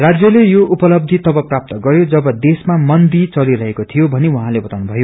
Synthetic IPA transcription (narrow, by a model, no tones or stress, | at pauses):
rad͡zjʌlejoʔupʌlʌb̚d̪ʱit̪ʌbʌprap̚t̪ʌɡʌɾjod͡zʌbʌd̪esmamʌnd̪it͡sʌliɾʌɦekot̪ʰijobʱʌnewuɦãlebʌt̪awnubʱʌjo